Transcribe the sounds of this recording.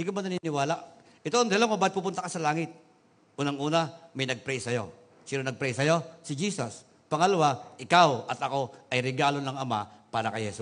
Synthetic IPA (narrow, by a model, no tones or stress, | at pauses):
d̪ɪkomɐnɐninɪwaːlaʔ | ʔɪt̪oʔnd̪ɐhlaŋmɐbaːd̪t̪̚pupʊnt̪akasɐlaːŋɪt̪̚ | ʔuːnɐŋʔuːnɐmɐjnɐɡ̚pɾɛjsɐjo̞̰ | sɪɾonɐɡ̚pɾɛjsɐjo̞sɪd͡ʒiːsɐs | pɐŋɐlɐwaʔɪkawʔɐt̪ɐko̞ʔɐjɾɛɡaːlo̞nɐŋɐma̰paːɾɐkɐjhɛsu